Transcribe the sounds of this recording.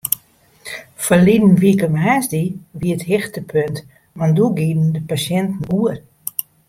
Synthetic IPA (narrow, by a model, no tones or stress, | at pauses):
fəlidn̩ʋikəmɦaːsdiʋiəthɪxtəpʰønt | manduɡidn̩dəpasjɛntn̩uər